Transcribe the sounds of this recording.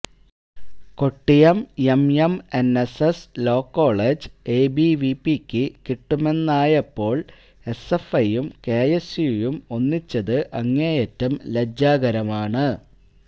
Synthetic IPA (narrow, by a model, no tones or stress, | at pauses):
ko̞ʈːijɐmemjɐmeneseslo̞ːkːo̞ːɭed͡ʑe̞ːbiʋipːikʲːɨkiʈːumenːaːjɐpːo̞ːɭ | e̞sefɐjumke̞ːjesjujumo̞nːit͡ɕːɐðɨʔɐŋːeːjetːɐmled͡ʑaːɣɐɾɐmaːɳɨ